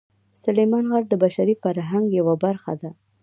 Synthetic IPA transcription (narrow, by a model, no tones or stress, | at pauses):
sʊlejmɑnɣaɽd̪əbaʃaɾifaɾɦaŋɡjawabaɾxa̰d̪a